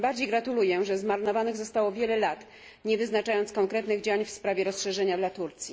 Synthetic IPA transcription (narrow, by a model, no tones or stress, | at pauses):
baɾd͡ʑejɡɾat̪ulujɛʐɛzmaɾnɔvanɘɣzɔst̪awɔvʲjɛlɛlat̪ | ɲɛvɘznat͡ʂajɔnt̪skɔŋkɾɛt̪nɘɣd͡ʑawaɲfspɾavʲjɛɾɔsʂɛʐɛɲad̪lat̪uɾt̪sʲji